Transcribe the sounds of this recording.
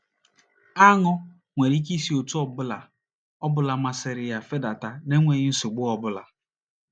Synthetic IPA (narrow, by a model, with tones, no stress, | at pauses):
a˦ŋɔ˦ | ŋʷe˨ɾi˦k̬i˦si˦o˨tu˦ɔ˦bʊ˦la̰˨ | ɔ˦bʊ˦la˨ma˦sɪ˨ɾɪ˨ja˨fe˦da˨ta˦ne˦ŋʷe˨ɲɪ˦n̩˦sʊ˨ɡ͡bʊ˦ɔ˦bʊ˦la˨